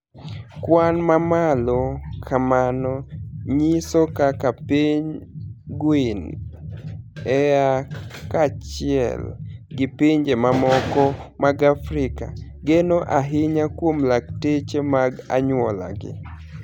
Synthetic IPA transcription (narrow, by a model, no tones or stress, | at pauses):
kwanmamalɔkʰamanɔɲisɔkakapiɲɡwin | ɛjakat͡ʃɪɛ̰lɡɪpiɲd͡ʒemamɔkɔmaɡafɾɪka̰ | ɡenoʔaɦɪɲakwomlaktet͡ʃemaɡa̰ɲwɔla̰ɡɪ̰